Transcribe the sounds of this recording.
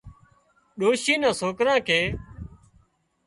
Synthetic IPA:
ɗoːʃiːnãːsoːkɾãːkʰeː

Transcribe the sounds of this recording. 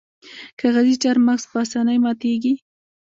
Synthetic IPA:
kʰaɣazit͡ʃaɾmakspəasanajmat̪eɡi

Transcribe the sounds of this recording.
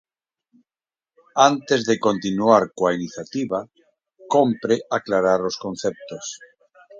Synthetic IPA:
ant̪ezðeko̞nt̪inuaɾkwainiθjat̪iβa | kompɾeʔaklaɾaɾoskon̟θep̚t̪os

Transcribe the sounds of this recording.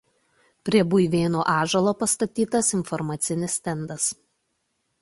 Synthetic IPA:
pʲɾʲiɛbʊɪʋʲeːnoːʔɑːʒɐlˠoːpɐst̪ɐt̪ʲiːt̪ɐsɪnfɔɾmɑːt̪sʲɪnʲɪsʲt̪ʲɛnd̪ɐs

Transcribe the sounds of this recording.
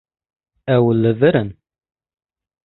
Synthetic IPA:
æwəlːəvəɾən

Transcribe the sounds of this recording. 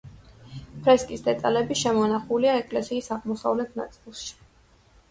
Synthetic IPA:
pʰɾɛskʼisd̪ɛt̪ʼalɛbiʃɛmɔnaχuliaɛkʼlɛsiːsaʁmɔsa̰vlɛt̪ʰna̰t̪sʼilˠʃi̥

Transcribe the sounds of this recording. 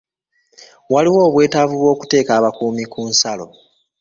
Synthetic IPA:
waliwo̞ːβwe̞ːtavuβwo̞ːku̥te̞ːkaːβakuːmikuːnsalo̞̰

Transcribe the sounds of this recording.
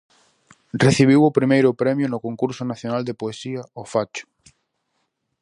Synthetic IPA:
reθiβ̞iwʊpɾimejɾʊpɾɛmjʊnʊkoŋkuɾsʊnaθjonald̪epoesiɐɔfat͡ʃʊ̥

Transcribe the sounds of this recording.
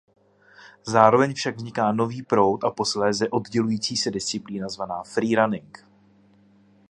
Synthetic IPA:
zaːɾo̞vɛɲfʃaɡvzɲɪkaːno̞viːpɾo̞wt̪ʔapo̞slɛːzɛʔo̞d̪ɟɛlujiːt͡siːsɛdɪst͡sɪpliːnazvanaːfɾiːɾanɪŋk

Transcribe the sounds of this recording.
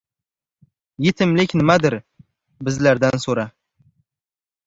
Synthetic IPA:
jet̪ʰɪmlɪkʲnɪmad̪ɪɾ | bɪzlaɾd̪ansoɾa

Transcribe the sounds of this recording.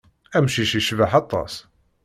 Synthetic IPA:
æmʃiʃiʃvaħɑt̪ˤːɑ̰s

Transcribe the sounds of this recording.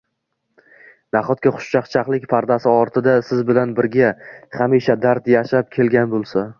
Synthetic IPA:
naχɒt̪̚kʲaχʊ̥ʃt͡ʃʰaqt͡ʃʰaqlˠɪkʲpʰaɾd̪asɪɒɾt̪ʰɪd̪asɪzbɪlanbɪɾɡʲaχamiʃad̪aɾt̪jaʃap̚kʲʰe̞lɡʲanbolˠsa

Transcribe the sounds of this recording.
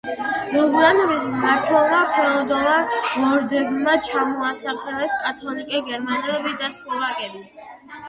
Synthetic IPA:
nɔɡuanɔbismaɾt̪ʰwɛlˠmapʰɛɔd̪ɔlˠalɔɾd̪ɛɡmat͡ʃʰamɔasaχɛlɛskʼat̪ʰɔlikʼɛɡɛɾmanɛlɛbid̪aslˠɔvakʼɛbi

